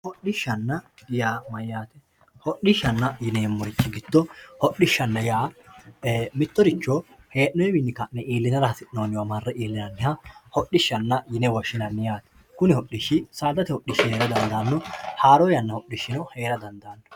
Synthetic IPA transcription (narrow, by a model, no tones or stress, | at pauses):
hɔɗɪʃːɐnːɐjaːmɐjːaːt̪ɛ | hɔɗɪʃːɐnːɐjɪneːmːɔɾɪt͡ʃːɪɡɪt̪ːɔhɔɗɪʃːɐnːɐjaː | mɪt̪ːɔɾɪt͡ʃːɔ | heːʔnɔjɛmɪnːɪkɐnɛʔiːlːɪnɐɾɐhɐsɪnoːnɪwɐmɐrːɛʔiːlːɪnɐnːɪhɐhɔɗːɪʃːɐnːɐjɪnɛwɔʃːɪnɐnːɪjaːt̪ɛ̥ | kʊnɪhɔɗːɪʃːɪsaːd̪ɐt̪ɛhɔɗːɪʃːɪheːɾɐd̪ɐnd̪ɐːnːɔhaːɾɔjɐnːɐhɔɗːɪʃːɪnɔheːɾɐd̪ɐnd̪aːnːɔ